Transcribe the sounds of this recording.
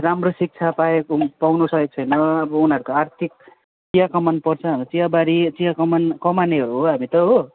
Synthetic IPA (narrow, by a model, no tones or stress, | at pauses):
ramrosik̚t͡sʰapaekopawnosʌjek̚t͡sʰʌjnʌʌbʌunʌɾukoart̪ʰik̚ | t͡sijakʌmʌnpʌrt͡sʰʌanit͡sijabaɾit͡sijakʌmankʌmaneɦʌɾuɦoɦamit̪ʌɦo